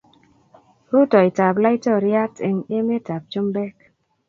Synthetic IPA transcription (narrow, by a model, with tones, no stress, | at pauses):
hu˦tɔ˨i˨ta˨pla˦i˦tɔ˦˨ɾa˦te˨ŋe˦me˦ta˨p̚t͡ʃo˦m˦bɛ˦k̚